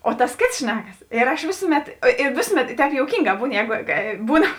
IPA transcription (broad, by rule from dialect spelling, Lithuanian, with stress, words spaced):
oː tɐs ˈkʲeːts ˈʃʲnʲæːkɐs ɪr ɐʃ ˈʋʲeːsʊˌmʲɛt ɪ ˈʋʲeːsʊˌmʲɛt ɪ ˈtʲɛːp joːʊˈkʲiːŋˌɡɑː ˈbuːn ˈjɛːɡoː ˈbuːn